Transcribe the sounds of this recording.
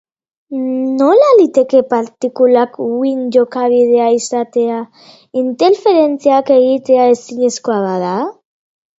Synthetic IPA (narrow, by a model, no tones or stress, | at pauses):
no̞lalit̪e̞ke̞paɾt̪ikulakwinʝo̞kaβið̞e̞aisat̪e̞a | int̪e̞ɾfe̞ɾe̞nt͡siake̞ɣit̪e̞ae̞siɲesko̞aβaða